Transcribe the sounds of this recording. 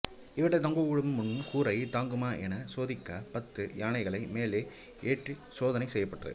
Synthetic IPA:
ɪʋɪʈːɐt̪ɐŋɡoːʋʊɻɯmmʊnːɯkuːɾɐɪt̪aːŋɡɯmaːʔɛnɐsoːðɪkːaːpɐt̪ːɯjaːnɐɪɣɐɭɐɪmeːleː | eːʈrisoːðɐnɐɪsɛjːɐpːɐʈːrɐ̰ð

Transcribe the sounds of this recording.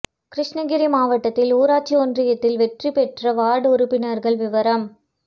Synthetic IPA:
kɾɪʂɳɐɡɪɾimaːʋɐʈːɐt̪ːɪluːɾaːt͡ʃːiɔndrɪjɐt̪ːɪlʋɛʈripɛʈrɐʋaːɽɯʊɾʊpːɪnɐɾɣɐɭʋɪʋɐɾɐm

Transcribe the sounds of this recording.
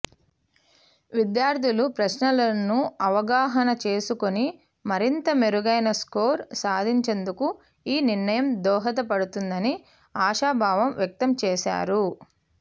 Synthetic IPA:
ʋid̪jaːɾt̪ʰilupɾɐʃnɐlɐnːuɐʋɐɡaːɦɐnɐt͡ʃe̞ːsuko̞ni | mɐɾint̪ɐmeɾuɡɐjnɐsko̞ːɾsaːd̪ʱiɲt͡ʃe̞nd̪uku | iːniɾɳɐjɐmd̪ɔːɦɐt̪̬ɐpɐɽut̪und̪ɐni | aːʂaːbʱaːʋɐmʋjɐk̚t̪ɐmt͡ʃɛːʃa̰ːɾu

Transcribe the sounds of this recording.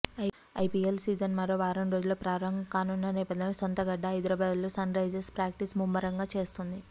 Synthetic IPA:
ɐjpielsiːd͡ʒɐnmɐɾoːʋaːɾɐmɾo̞ːd͡ʒuloːpɾaːɾɐŋɡɐkaːnunːɐnɛːpɐd̪ʱːɐnesont̪ɐɡɐɖːɐɐjd̪ɐɾɐbaːd̪ulusɐnɾɐjd͡ʒespɾaːk̚ʈismumːɐɾɐŋɡaːt͡ʃe̞ːst̪und̪i

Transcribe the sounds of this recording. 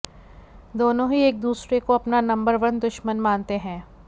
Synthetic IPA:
d̪oːnõɦieːk̚d̪uːsɾekoɐpnanɐ̃mbəɾʋɐnd̪ʊʃmənmaːnt̪eɦɛ̃ː

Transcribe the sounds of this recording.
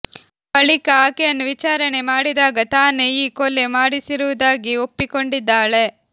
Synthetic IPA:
bɐɭikɐaːkejɐnːuʋit͡ʃaːɾɐne̞maːɽid̪aːɡɐt̪aːneiːkole̞maːɽisiɾuʋud̪aːɡiopːiko̞ɳɖid̪ːaːɭe̞

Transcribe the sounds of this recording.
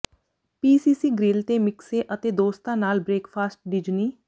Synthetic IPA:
piːsiːsiːɡɾɪlt̪eːmɪkseːʔət̪eːd̪oːst̪ãːnaːlbɾeːkpʰaːsʈ̚ɖɪd͡ʒniː

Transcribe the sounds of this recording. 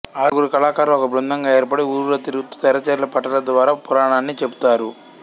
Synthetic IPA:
aːlɐɡuɾikɐlaːkaːɾlɐɔkɐbɾund̪ʱɐŋɡaːeːɾpɐɽeuːɾuɾɐt̪iɾut̪ːu̥t̪ɛɾɐt͡ʃɛɾlɐpɐʈɐlɐd̪ʋaːɾaːpuɾaːɳaːnːit͡ʃebu̥t̪aːɾu

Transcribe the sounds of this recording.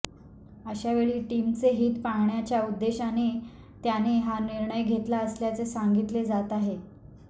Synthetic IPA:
əɕaʋeɭiːʈimt͡seɦiːt̪paɦɳjat͡ɕjaud̪ːeɕane | t̪janeɦaniɾɳəjɡʱet̪laəsljat͡sesaŋɡit̪led͡zat̪aɦe

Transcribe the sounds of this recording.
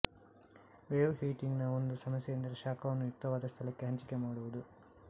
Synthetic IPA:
ʋeːʋɦiːʈiŋɡnɐond̪usɐmɐsjejɐnd̪ɐɾɐʃaːkʰɐʋɐnːujukt̪ːɐʋaːd̪ɐst̪ʰɐlɐkːeɦɐɲt͡ʃi̥kemaːɽuʋud̪u

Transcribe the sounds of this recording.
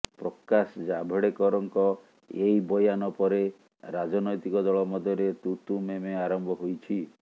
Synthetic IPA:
pɾɔkasd͡ʒabʱeɽekɔɾɔŋkɔ | ejbɔjanɔpɔɾe | ɾad͡ʒɔnɔjt̪ikɔd̪ɔɭɔmɔd̪ʱjɔɾet̪ut̪umemeaɾɔmbʱɔɦojt͡ʃʰi

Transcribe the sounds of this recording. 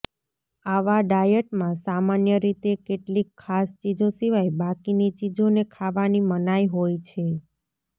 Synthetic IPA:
aʋaɖajəʈmãsamanjəɾit̪ekeʈlikʰːast͡ʃid͡ʒosiʋajbakinit͡ʃid͡ʒonekʰaʋanimənajɦojt͡ʃʰe

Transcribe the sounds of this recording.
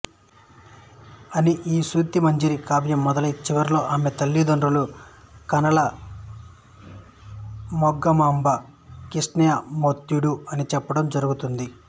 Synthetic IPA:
ɐniʔiːsuːt̪imɐɲd͡ʒiɾikaːbjɐmːɔd̪ɐlɐjt͡ʃiʋɐɾilo̞ːʔaːme̞t̪ɐlːid̪ɐnɾulukɐnɐɭɐ | mɔɡːɐmaːmbɐkiʂnɐjɐmot̪juɽuɐnit͡ʃɛpːɐɽɐmd͡ʒɐɾuɡut̪und̪i

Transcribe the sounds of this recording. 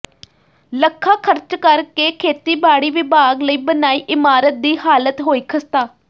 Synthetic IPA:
ləkʰːaːkʰəɾt͡ʃkəɾkeːkʰeːt̪iːbaːɽiːʋɪbaːɡləiːbənaːiːʔɪmaːɾət̪̚d̪iːhaːlət̪ɦoːiːkʰəst̪aː

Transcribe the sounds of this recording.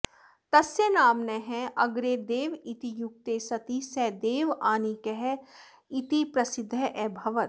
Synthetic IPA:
t̪ɐsjənaːmnɐɦɛ̃ɐɡɾed̪eːʋit̪ijʊk̚t̪esɐt̪isɛd̪eːʋaːnikɛɦɛ | ɪt̪ipɾɐsɪd̪ʱːəʔɛbʱɐʋət̪

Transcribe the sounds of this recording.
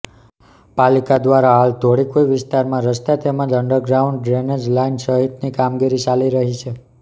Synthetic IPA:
palikad̪ʋaɾaɦalt̪ʰoɽikoiʋɪst̪aɾmãɾəst̪at̪emə̃d͡ʒəɳɖəɾɡɾauɳɖɾenəd͡ʒlainsəɦit̪nikamɡiɾit͡ʃaliɾəɦit͡ʃʰe

